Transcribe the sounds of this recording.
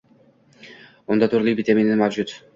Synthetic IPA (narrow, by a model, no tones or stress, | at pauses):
ond̪ɑt̪ʰuɾlˠibit̪emenimavd͡ʒut̪